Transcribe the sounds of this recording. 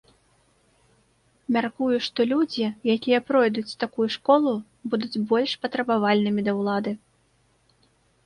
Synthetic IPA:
mʲarkujuʂt̪ɔlʲud͡zʲijakʲijɐpɾɔjd̪ut͡sʲt̪akujuʂkɔlˠu | bud̪ud͡zʲbɔlʲʂpɐt̪ɾɐbavalʲnɨmʲid̪ɐwlˠad̪ɨ

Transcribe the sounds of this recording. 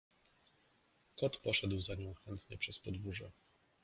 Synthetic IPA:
kɔt̪pɔʂɛd̪wzaɲɔ̃w̃xɛnt̪ɲɛpʂɛspɔd̪vuʐɛ

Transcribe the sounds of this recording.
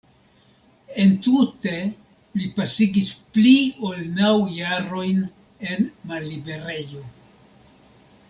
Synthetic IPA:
e̞ntute̞ | lipasiɡispliolnawjaɾo̞jn | e̞nmalːibe̞ɾe̞jo̞

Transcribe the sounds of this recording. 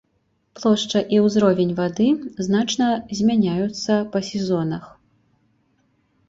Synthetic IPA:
plˠɔʂt͡ʂɐʔiwzɾɔvʲɛnʲvad̪ɨznat͡ʂnɐzʲmʲanʲajut̪sːɐpɐsʲɛzɔnɐx

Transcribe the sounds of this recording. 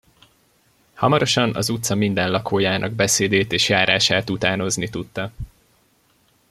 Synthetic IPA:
hɒmɒɾo̞ʃɒnɒ̰zut̪sɒmind̪ɛnlɒkʰoːjaːnʔɒ̰ɡbɛseːd̪eːt̪eːʃjaːɾaːʃaːt̪ut̪aːno̞znit̪ut̪ːɒ

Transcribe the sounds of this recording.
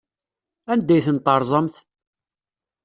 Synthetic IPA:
ænd̪ːæjθənt̪ˤɑɾˤzˤəmθ

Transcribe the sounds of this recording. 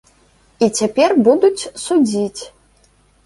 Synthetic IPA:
it͡sʲapʲɛrbud̪ut͡sʲsud͡zʲit͡sʲ

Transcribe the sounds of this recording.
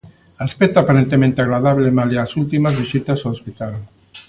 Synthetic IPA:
alspet̪apaɾent̪emẽnt̪aɣɾaðaβlemaleasult̪imazβisit̪azaospit̪al

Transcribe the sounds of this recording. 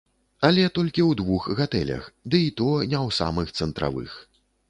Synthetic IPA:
alʲɛt̪ɔlʲkʲiwd̪vuxɣat̪ɛlʲɐ̰xd̪ɨit̪ɔnʲɛwsa̰mɨxt̪sɛnt̪ɾa̰vɨ̰x

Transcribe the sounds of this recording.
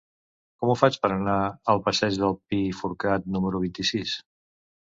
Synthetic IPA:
kɔmufat͡ʃpəɾənaəlˠpəsɛʒðəlˠpifuɾkat̪̚numəɾuβ̞int̪isis

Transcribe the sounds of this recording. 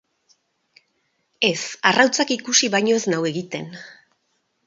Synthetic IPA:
e̞sarawt͡sakikusiβajɲo̞e̞znawe̞ɣit̪e̞n

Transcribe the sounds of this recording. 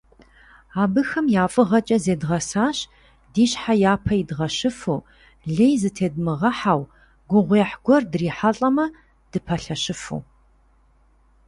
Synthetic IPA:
aːbɨxɐmjaːfʼɨʁɐt͡ʃʼɐzeːdʁɐsaːɕ | diːɕħajaːpʰɐjidʁɐɕɨfuː | ɮejzɨtʰeːdmɨʁɐħaw | ɡʷʊʁʷeːħɡʷɔrdriːħaɬʼɐmɐ | d̥ɨpʰɐɬɐɕɨfṵ

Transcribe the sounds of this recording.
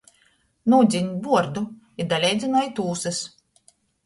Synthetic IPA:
nud̪zʲiɲʲbuɔɾd̪u | id̪alʲɛjd̪zʲinɔjit̪uːsɨs

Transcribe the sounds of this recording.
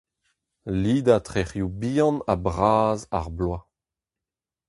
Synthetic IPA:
liːd̪at̪χeʁjubiːɑ̃nabʁaːza̰ʁblwa

